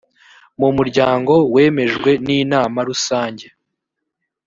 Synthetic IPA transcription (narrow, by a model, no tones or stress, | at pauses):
mumuɾɟaːŋɡo̞we̞ːme̞ʒɡwe̞niːnaːmaɾusaːɲɟe̞